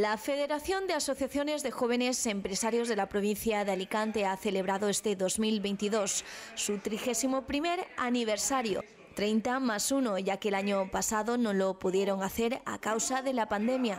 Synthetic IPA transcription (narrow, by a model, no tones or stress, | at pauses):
lafe̞ðe̞ɾaθjo̞nd̪easo̞θjaθjo̞ne̞zðe̞xo̞β̞e̞ne̞se̞mpɾe̞saɾjo̞zðe̞lapɾo̞β̞in̟θjaðealikant̪e̞aθe̞le̞β̞ɾaðoest̪e̞ðo̞zmilβe̞jnt̪iðo̞sːut̪ɾixesimo̞pɾime̞ɾaniβ̞eɾsaɾjo̰ | t̪ɾejnt̪amasunoʝakeːlaɲopasaðonõlopuðje̞ɾo̞ŋaθe̞ɾa̰kawsaðe̞lapand̪e̞mja